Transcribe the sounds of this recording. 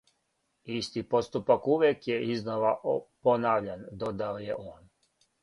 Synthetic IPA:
ist̪ipo̞t̪st̪upakuʋjekjeiznoʋaʔponaːʋʎand̪od̪aojeʔoːn

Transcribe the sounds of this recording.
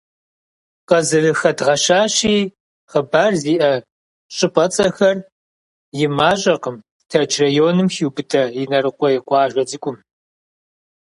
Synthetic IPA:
qɐzɨrɨxɐdʁɐʃaːɕiː | χɐbaːrziːʔɐ | ɕʼɨpʼɐt͡sʼɐxɐr | jɪmaːʑʼɐqəm | tʰɐt͡ʃʰrɐjoːnɨmxiwbɨtʰɐjɪnɐrɨqʷʼɔjɪqʷɑːʒʷɐd͡zɨkʷʼʊm

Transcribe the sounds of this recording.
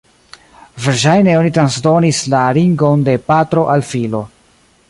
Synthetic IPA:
viɾʃ̬ajne̞o̞nitɾansdo̞nislaliŋɡo̞nde̞patɾo̞ʔalfilo̞

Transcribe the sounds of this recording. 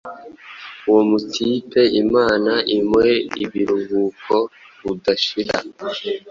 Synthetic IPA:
uwomutʰiːpe̞imaːnaʔimweḭβiɾuβuːkʰo̞ | βudaʃiɾa̰

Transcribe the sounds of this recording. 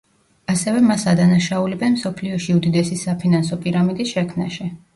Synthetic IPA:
asɛvɛmasad̪anaʃaulɛbɛnmsɔpʰliɔʃiud̪id̪ɛsisapʰinansɔpʼiɾamid̪isʃɛkʰmna̰ʃɛ

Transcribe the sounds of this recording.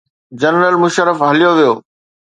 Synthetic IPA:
d͡ʑɐnɾəlmʊʃəɾəfɦɐlijoʋijoː

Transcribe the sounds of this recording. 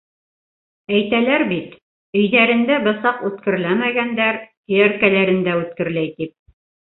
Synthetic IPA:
æjt̪ælæɾbit̪ | ɵ̆jðæɾɘ̆nd̪æbɤ̆sɑqʉt̪kɘ̆ɾlæmæɡænd̪æɾhijæɾkælæɾɘ̆nd̪æʉt̪kɘ̆ɾlæjt̪ip̚

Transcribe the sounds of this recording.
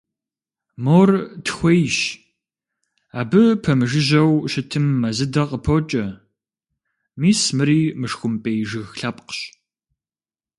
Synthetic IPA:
moːrtxʷejʃ | aːbɨpʰɐmɨʒɨʑɐwʃɪtʰɨmːɐzɨdɐqʼəpʰot͡ʃʼɐ | miːsmɨɾiːmɨʂxʷʊmpʼejʒɨɣɬɐp̚qɕ

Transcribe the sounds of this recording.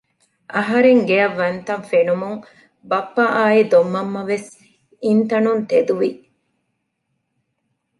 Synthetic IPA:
ʔɐɦɐɾeŋɡeɐʋːɐnt̪ɐnfenumuŋ | bɐpːɐʔaːid̪omːɐmːɐʋes | int̪ɐnunt̪ed̪uʋi

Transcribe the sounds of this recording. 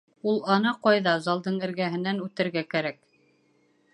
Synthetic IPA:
ulˠɑnɑqɑjðɑzɑlˠd̪ɤɴɘ̆ɾɡæɦɘ̆nænʉt̪ɘ̆ɾɡækæɾæk̚

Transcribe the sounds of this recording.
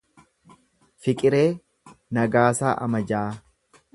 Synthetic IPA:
fɪkʼɪɾeː | nɐɡaːsaːʔɐ̰mɐd͡ʒaː

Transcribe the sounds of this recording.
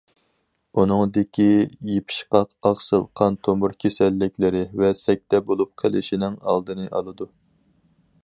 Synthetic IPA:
unɨŋd̪ɪkʲijepʰi̥ʃqɑqɑʁsɨlˠqʰɑnt̪ʰombʊɾkʲʰesɛlːɪkʲlɪɾɪvɛsɛk̚ʲt̪ɛbolˠup̚qʰəlˠɪʃinɪŋɑ̰lˠd̪ɨnɨʔɑ̰lˠɨd̪u

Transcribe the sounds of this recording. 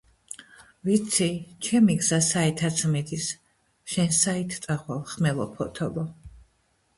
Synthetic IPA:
vit̪sʰit͡ʃʰɛmiɡzasaɛt̪ʰat̪sʰmid̪is | ʃɛnsait̪ʰt̪ʼaχwalχmɛlɔpʰɔt̪ʰɔbɔ

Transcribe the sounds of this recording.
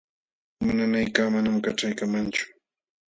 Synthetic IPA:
mʊnanajkaːmanamkaʈ͡ʂajkamant͡ʃʊ̥

